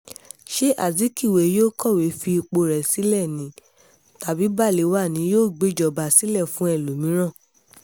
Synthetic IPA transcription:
ʃe˦ʔa̰˦˨zi˨˦ki˦˨we˨˦joː˦kɔ˦˨we˨˦fi˧k͡po˧ɾɛ˨si˨˦lɛ˦˨nĩ˨˦ | ta˨bi˨˦ba˦˨le˨˦wa˦˨nĩ˨˧˦joː˦˨ɡ͡be˦˨d͡ʒɔ˨ba˨si˨˦lɛ˦˨fũ˨˦ɛ˦˨lo˨mĩ˨˦ɾ̃ã˦˨

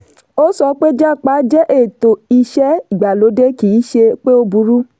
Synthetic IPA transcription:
o˦sɔ˧k͡pe˦d͡ʒa˦˨k͡pa˨˦d͡ʒɛ˦ʔe˦˨to˨i˧ʃɛ˦i˨ɡ͡ba˨lo˨˦de˦ki˨˦ʃe˧k͡pe˦o˧bu˧˦ɾu˦

